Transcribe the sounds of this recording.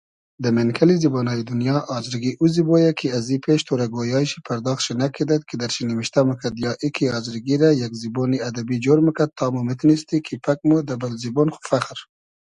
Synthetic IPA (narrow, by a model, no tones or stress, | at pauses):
d̪əmenkʰalizibonɑjid̪unjɑʔɑzɾiɡiʔuzibojakʰiazipʰeʃt̪ʰoɾaɡojɑːjʃi̥pʰaɾd̪ɑːxt̪ʃinakʰid̪at̪̚kʰid̪aɾʃinimiʃt̪aməkʰad̪jɑːʔikʰiɑzɾɡiɾajakziboniad̪abid͡ʒoɾməkad̪̚t̪ʰːɑːmumɪt̪nist̪ikʰipʰak̚mud̪abalzibonxu̥faχɾ